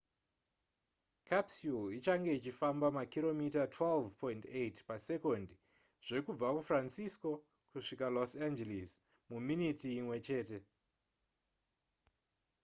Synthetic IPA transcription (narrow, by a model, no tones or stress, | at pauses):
kʰapsuit͡ʃaŋɡe̞it͡ʃifambamakiɾo̞mitatʰwelvpo̞intetpase̞ko̞ndi | ʐ̥e̞kub͡vakufransisko̞ | kuʂikalosand͡ʒelis | muminitiːmwe̞t͡ʃe̞ːte̞